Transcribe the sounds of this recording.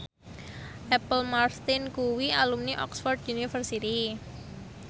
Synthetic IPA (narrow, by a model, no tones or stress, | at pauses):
ʔɛpəlmarst̪ɪnkuwialumniʔɔ̰ksfɔrd̪unifərsit̪i